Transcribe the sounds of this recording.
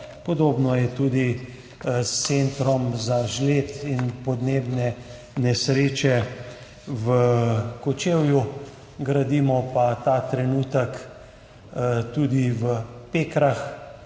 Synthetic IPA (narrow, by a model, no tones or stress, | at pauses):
pɔd̪oːbnɔjɛt̪uːd̪i | ssent̪ɾɔmzaʒleːt̪inpɔd̪neːbnɛ | nɛsɾeːt͡ʃɛ | ʋəkɔt͡ʃeːwju | ɡɾad̪imɔpat̪aːt̪ɾɛnuːt̪ək | t̪uːd̪iʋəpeːkɾax